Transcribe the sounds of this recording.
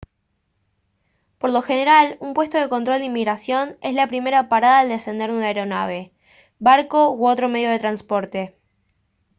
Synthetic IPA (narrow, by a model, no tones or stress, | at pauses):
po̞ɾlo̞xe̞ne̞ɾalumpwe̞st̪oð̞e̞ko̞nt̪ɾo̞ld̪eimːiɣɾasjo̞ne̞zlapɾime̞ɾapaɾaðaːld̪e̞se̞nd̪eɾunaeɾo̞na̰β̞e̞ | βaɾko̞wo̞t̪ɾo̞me̞ð̞jo̞ð̞e̞t̪ɾanspo̞ɾt̪e̞